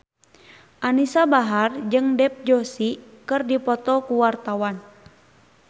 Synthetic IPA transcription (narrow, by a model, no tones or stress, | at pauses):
ʔanisabaɦard͡ʒɨŋdɛp̚d͡ʒɔsikɨrdipɔt̪ɔkuwart̪awan